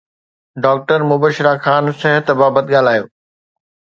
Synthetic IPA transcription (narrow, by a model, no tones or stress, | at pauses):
ɖaːk̚ʈəɾmʊbəʃɾaxaːnsɛɦət̪baːbət̪ɠaːl̤aːjo̰ː